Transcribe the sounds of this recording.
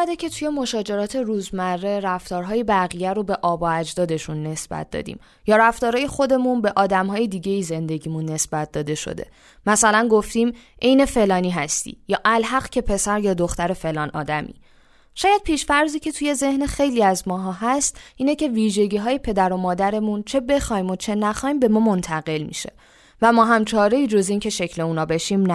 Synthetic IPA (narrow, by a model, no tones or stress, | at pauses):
æd̪ecʰe̞t̪ʰuje̞mo̞ʃɒːd͡ʒe̞ɾɒːt̪ʰe̞ɾuːzmærːe̞ɾæft̪ɒːɾɦɒːje̞bæɣijæɾo̞be̞ʔɒːbɒæd͡ʒd̪ɒːd̪e̞ʃunːe̞sb̥æ̰t̪̚d̪ɒ̰ːd̪ḭːm | jɒːɾæft̪ɒːɾɒːje̞xo̞d̪e̞munbe̞ʔɒːd̪æmɦɒːjed̪iːɟe̞ize̞nd̪e̞ɟiːmunːe̞sb̥æt̪̚d̪ɒːd̪e̞ʃo̰d̪e̞̰ | mæsælænɡo̞ft̪iːm | ʔe̞jne̞fe̞lɒːniːɦæst̪ḭjɒːʔælɦæɢcʰe̞pʰe̞sæɾjɒːd̪oxt̪æɾe̞fe̞lɒːnʔɒ̰ːd̪æmʔḭ | ʃɒːjæd̪̥̚pʰiːʃfæɾziːcʰe̞t̪ʰuje̞ze̞hnexe̞jliːæzmɒːɦɒːɦæst̪ʔiːnecʰe̞viːʒe̞ɟiːɦɒːje̞pʰe̞d̪æɾo̞mɒːd̪æɾe̞munt͡ʃʰe̞be̞xɒːjmo̞t͡ʃʰe̞næxɒːjmbe̞mɒːmo̞nt̪ʰæɣe̞lmḭʃe̞̥̰ | væmɒːɦæmt͡ʃʰɒːɾe̞iːd͡ʒo̞ziːncʰe̞ʃe̞cʰle̞uːnɒːbe̞ʃimnæ